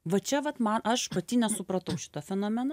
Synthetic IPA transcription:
ʋɐt͡ʃʲɛʋɐt̪mɐnʔɐʃpɐt̪ʲiːnʲɛsʊpɾɐt̪ɐʊʃʲɪ̥t̪ɐfʲɛnoːmʲɛn

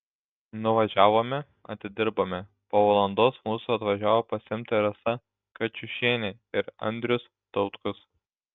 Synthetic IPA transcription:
nʊʋɐʒʲæːʋoːmʲɛ | ɐ̰t̪ʲɪd̪ʲɪɾboːmʲɛ | poːʋɐlˠɐnd̪oːsmuːsuɐt̪ʋɐʒʲæːʋoːpɐsʲɪmʲt̪ʲɐɾɐsɐ | kɐt͡ʃʲʊʃʲiɛnʲe | ɪɾɐ̰nʲd̪ʲɾʲʊs | t̪ɔʊt̪kʊs

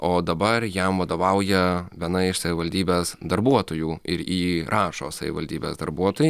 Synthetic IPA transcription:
oːd̪ɐbɐrjɛmʋɐd̪oːʋɐʊjɛʋʲiɛnɐɪʃsɐʋʲɪʋɐlʲd̪ʲiːbʲeːsd̪ɐɾbuɔt̪oːjuːɪ̰ɾiːɾʔɑːʃo̰ːsɐʋʲɪ̰ʋɐlʲd̪ʲiːbʲḛːzd̪ɐɾbuɔt̪oːji

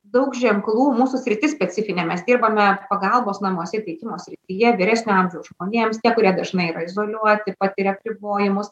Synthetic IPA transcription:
d̪ɐʊkʒʲɛŋklˠuːmuːsʊsʲɾʲɪt̪ʲɪsʲpʲɛt͡s̪ʲɪfʲɪnʲeːmʲɛsd̪ʲiːrbɐmʲɛpɐɡɐlˠboːsnɐmuɔsʲɛt̪ʲɛɪkʲɪmoːsʲɾʲɪt̪ʲijɛʋʲɪɾʲæsʲnʲʊɐmʲʒʲɛʊʒmoːnʲeːmst̪ʲiɛkʊɾʲiɛd̪ɐʒnɐɪiːɾɐɪzoːlʲuɔt̪ʲɪpɑt̪ʲɪɾʲɛɐpʲɾʲɪboːjɪmʊs

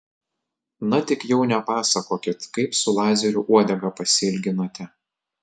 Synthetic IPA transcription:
nɐt̪ʲɪkjɛʊnʲɛpɑːsɐkoːkʲɪt̪kɐɪpsʊlˠɑːzʲɛɾʲuʔuɔd̪ʲɛɡɐpɐsʲɪlʲɡʲɪnoːt̪ʲɛ

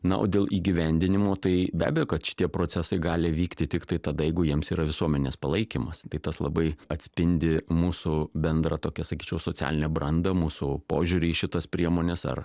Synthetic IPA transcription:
nɐʔo̰ːdʲeːlˠʔiːɡʲiʋʲɛnʲd̪ʲɪnʲɪmoːt̪ɐɪbʲæ̰ːbʲɛjoːkɐt̪ʃʲɪ̥t̪ʲiɛpɾoːt͡s̪ʲɛsɐɪɡɑːlʲɪʋʲiːkt̪ʲɪt̪ʲɪkt̪ɐɪt̪ɐd̪ɐjɛɪɡʊjiɛmsiːɾɐʋʲɪsuɔmʲɛnʲeːspɐlˠɐɪkʲiːmɐst̪ɐɪt̪ɐslˠɐbɐɪɐt̪ʲsʲpʲɪnʲd̪ʲɪmuːsʊbʲɛnd̪ɾɐt̪oːkʲɛsɐkʲiːt͡ʃʲɛʊsoːt͡sʲæ̰ːlʲɪnʲɛbɾɐnd̪ɐmuːsʊpoːʒʲuɾʲɪːʃʲɪt̪ɐspʲɾʲiɛmoːnʲesɐ̰r

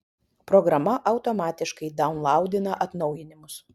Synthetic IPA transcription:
pɾɔɡɾɐmɐʔɐʊt̪omɑːt̪ʲɪʃkɐɪd̪ɐʊnlˠɑˑʊd̪ʲɪnɐʔɐt̪nɒʊjɪnʲɪmʊs

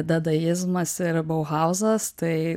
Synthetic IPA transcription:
d̪ɐd̪ɐjɪzmɐsɪɾboʊɣɑʊzɐst̪ɐɪ

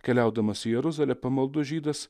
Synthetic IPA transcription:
kʲɛlʲæˑʊd̪ɐmɐsʲɪjɛɾʊzɐlʲɛpɐmɐlˠd̪ʊʒʲiːd̪ɐs

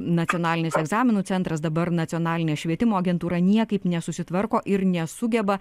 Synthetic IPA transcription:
nɐt͡s̪ʲɪoːnɑːlʲɪnʲɪsɛɡzɑːmʲɪnuːt͡s̪sʲɛnt̪ɾɐsd̪ɐbɐɾnɐt͡s̪ʲɪjoːnɑːlʲɪnʲɛːʃʲʋʲiɛt̪ʲɪmoːɐɡʲɛnt̪uːɾɐnʲiɛkɐɪpnʲɛsʊsʲɪt̪ʋɐɾkoːʔɪɾnʲɛsʊɡʲɛbɐ

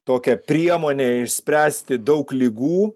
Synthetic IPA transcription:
t̪oːkʲɛpʲɾʲiɛmoːnʲeːɪʃʲsʲpʲɾʲæːsʲt̪ʲɪd̪ɐʊklʲiːɡuː

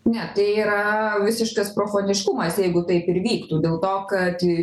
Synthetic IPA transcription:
nʲɛt̪ɐɪiːɾɐʋʲɪsʲɪʃkɐspɾoːfoːnʲɪʃkʊmɐsjɛɪɡʊt̪ɐɪpɪɾʋʲiːkt̪uːd̪ʲeːlˠt̪oːkɐt̪

